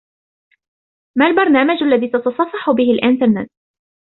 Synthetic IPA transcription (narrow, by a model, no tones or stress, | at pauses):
maːlbɑɾˤnaːmad͡ʒalːaðiːt̪ɑt̪ɑsˤɑfɑħʊbɪhɪlʔɪnt̪ɑɾnɛt̪̚